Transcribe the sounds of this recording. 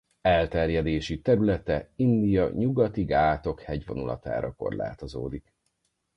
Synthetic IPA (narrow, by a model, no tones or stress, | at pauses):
ɛlt̪ɛrjɛd̪eːʃit̪ɛɾylɛt̪ɛind̪ijɒɲuɡɒt̪iɡaːt̪o̞khɛɟvo̞̰nulʔɒ̰t̪a̰ːɾɒko̞̰rla̰ːt̪o̞zo̰ːd̪ik